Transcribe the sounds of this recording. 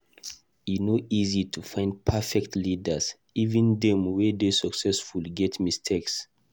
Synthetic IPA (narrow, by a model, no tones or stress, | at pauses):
inoizitʰufãɪ̃nd̚pʰafɛktʰlidas | ivĩndɛ̃mwedesɔksɛsfulɡɛtmistʰeks